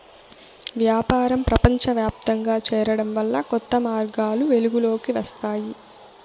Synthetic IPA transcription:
ʋjaːpaːɾɐmpɾɐpɐɲt͡ʃɐʋjaːp̚t̪ɐŋɡaːt͡ʃɛːɾɐɽɐmʋɐlːɐkɔt̪ːɐmaːɾɡaːluʋe̞luɡulo̞ːkiʋɐst̪aːji

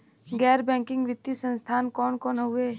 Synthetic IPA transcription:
ɡɛːɾbɛ̃ːŋkɪ̃ŋɡʋɪt̪ːisə̃nst̪ʰaːnkɔːnkɔːnɦʊe

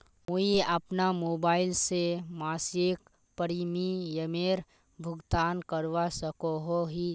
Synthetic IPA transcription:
muiəpnamoːbaːɪlsemaːseːk | pəɾimijəmeːɾ | bʱʊɡt̪aːnkəɾʋasəkoɦoɦi

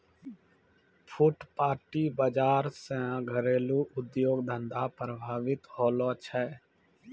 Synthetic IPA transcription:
pʰʊʈpaːɾʈiːbəd͡ʒaːɾsɛ̃ɡʱəɾeːluːʔʊd̪joːɡd̪ə̃nd̪aːpɾəbʱaːʋɪt̪hoːloːt͡ʃʰɛː

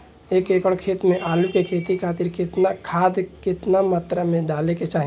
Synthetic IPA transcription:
eːkeːkəɽ̃kʰeːt̪mẽʔaːlukekʰeːt̪ikʰaːt̪ɪɾkɪt̪nakʰaːd̪kɪt̪namaːt̪ɾəmẽɖaːleket͡ʃaːɦi

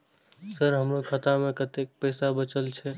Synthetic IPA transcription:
səɾɦəmɾokʰət̪amekət̪ek̚pəɪsabət͡ʃəlt͡ʃʰɛ

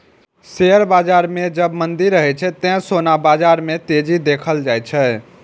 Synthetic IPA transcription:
seəɾbad͡ʒaɾmed͡ʒəbmənd̪iɾːəɦɛt͡ʃʰɛt̪ɛ̃sonabad͡ʒaɾmet̪ed͡ʒid̪ekʰəld͡ʒajt͡ʃʰɛ

